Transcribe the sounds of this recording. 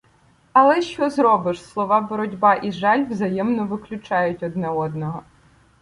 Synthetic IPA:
ɐlˠɛʃt͡ʃɔzɾɔbɪʃslˠɔʋɑbɔɾɔdʲbɑʔiʒɑlʲʋzɐjɛmnɔʋɪklʲʊt͡ʃɑjʊtʲɔd̪nɛɔd̪nɔɦɔ

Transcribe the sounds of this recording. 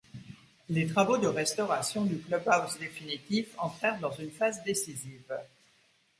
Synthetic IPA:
let̪χavod̪əʁɛst̪ɔʁasjɔ̃d̪yklœbawzd̪efinit̪ifɑ̃t̪χɛʁd̪ɑ̃zynfazd̪esiziv

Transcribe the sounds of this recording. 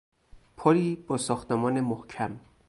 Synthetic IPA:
pʰoɾiːb̥ɒːsɒːxt̪emɒːnemohcʰæm

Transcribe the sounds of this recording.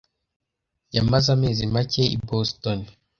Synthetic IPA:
jamazamizimaceḭbɔstɔn

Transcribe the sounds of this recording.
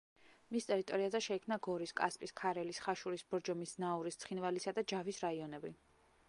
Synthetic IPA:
mist̪ʼɛɾit̪ʼɔɾiazɛʃɛikʰmnaɡɔɾiskʼa̰spʼiskʰaɾɛlisχaʃuɾisb̥ɔɾd͡ʒɔmisnauɾist̪sχinvalisad̪ad͡ʒavisɾaiɔnɛbi

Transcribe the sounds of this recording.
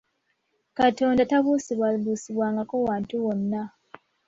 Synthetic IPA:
kato̞ːndataβusiβwaβuːsiβwaːŋɡako̞waːntuwonːa

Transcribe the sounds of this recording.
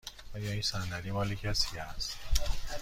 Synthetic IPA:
ɒːjɒːinsændæd̪imɒːlicʰæsicæst̪

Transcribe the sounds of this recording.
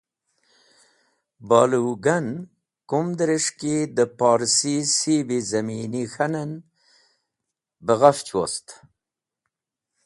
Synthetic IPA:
bɑːluɡan | kumd̪əɾeʂkid̪əpɑːɾsisibizaminixanan | bəɣaft͡ʃwo̰st̪

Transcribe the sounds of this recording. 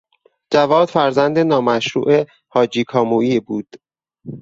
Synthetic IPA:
d͡ʒævɒːd̪̥fæɾzænd̪enɒːmæʃɾṵːʔe | hɒːd͡ʒiːkʰɒːmuːiːbuːd̪̥

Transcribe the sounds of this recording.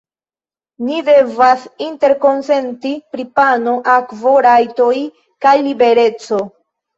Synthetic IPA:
nide̞vasinte̞ɾko̞nse̞ntipɾipano̞ʔakvo̞ɾajto̞j | kajlibe̞ɾe̞t͡so̞

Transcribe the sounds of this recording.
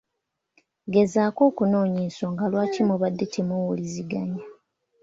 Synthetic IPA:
ɡe̞zaːko̞ːkuno̞ːɲiso̞ŋɡalwaːcimoβadːetʰemowuliziɡaɲa

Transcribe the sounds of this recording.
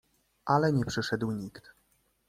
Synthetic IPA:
ʔalɛɲɛpʂɘʂɛd̪wɲikt̪

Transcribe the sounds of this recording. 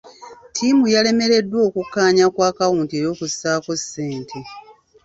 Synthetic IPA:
tʰimujale̞me̞ɾe̞dːwo̞ːkukːaːɲakwaːkawuːntieɾo̞ːkusaːko̞sːe̞ːntʰe

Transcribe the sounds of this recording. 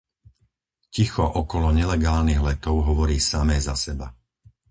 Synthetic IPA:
cixɔʔɔkɔlɔɲɛlɛɡaːlniɣlɛt̪ɔʊɦɔʋɔɾiːsamɛːzasɛba̰

